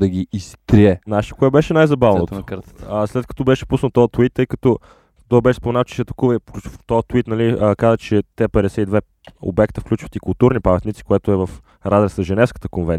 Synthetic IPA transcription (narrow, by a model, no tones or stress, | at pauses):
d̪ɐɡʲiːst̪ɾiɛnaʃkʊɛt̪bɛʃɛnajzɐbavnot̪kəɾt̪ə̥slɛt̪̚kɐ̥t̪ɔbɛʃɛ̥pusnət̪ːɔət̪uit̪ːɤjkɐ̥t̪ɔ | t̪ɔjbɛʃɛspomɛnaft͡ʃɛ̥sɛt̪ɐkuvəfklʲut͡ʃft̪ɔət̪uit̪nɐliəkazət͡ʃɛt̪ɛpɛd̪ɛsɛid̪vɛ | o̰bɛkt̪əfklʲut͡ʃvət̪ikʊlˠt̪uɾnipɐmɛt̪nʲit̪si̥koɛt̪ʊɛvɐf | ɾad̪ɾɛsəʒɛnɛfskə̥t̪ə̥konvɛn